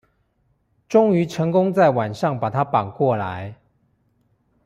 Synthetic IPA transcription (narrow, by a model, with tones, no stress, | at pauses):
ʈ͡ʂʊ˥ŋy˧˥ʈ͡ʂʰɤ˧˥ŋkʊ˥ŋt͡sa˥˩ɪwa˨˩nʂɑ˥˩ŋpa˨˩t̪ʰa˦˥pa˨˩ŋkwɔ˥˩la̰˧˦ɪ